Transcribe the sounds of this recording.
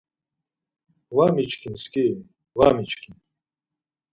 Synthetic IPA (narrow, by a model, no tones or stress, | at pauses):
waːmit͡ʃʰkʰinskiw | waːmit͡ʃʰʼkʰin